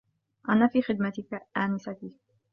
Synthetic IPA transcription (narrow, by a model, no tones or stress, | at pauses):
ʔanaːfiːxɪd̪̚mat̪ɪkaʔaːnɪsak̪i